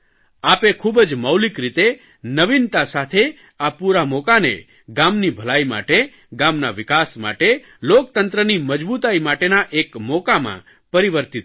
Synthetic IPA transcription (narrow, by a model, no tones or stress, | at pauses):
apekʰubəd͡ʒməwlikɾit̪e | nəʋint̪asat̪ʰe | apuɾamokanḛ | ɡamnibʱəlajma̰ʈe | ɡamnaʋɪkasma̰ʈe | lok̚t̪ənt̪ɾəniməd͡ʒbut̪aimaʈenaʔekmokamã̰ | pəɾiʋəɾt̪it̪